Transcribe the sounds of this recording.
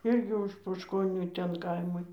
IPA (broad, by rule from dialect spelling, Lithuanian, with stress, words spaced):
ˈɪrʲɡʲɪ ʊʃ poːʃkoːˈnʲuː ˈtʲɛn ˈkɐɪmɐɪ